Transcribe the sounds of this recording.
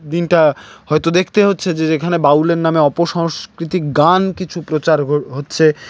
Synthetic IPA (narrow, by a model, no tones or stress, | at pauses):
d̪inʈahɔet̪od̪ekʰt̪eɦotːʰed͡ʑeekʰanebauleɾnameɔpoʃɔŋskɾit̪ik̚ɡankit͡ɕʰupɾot͡ɕaɾoɦotːɕʰe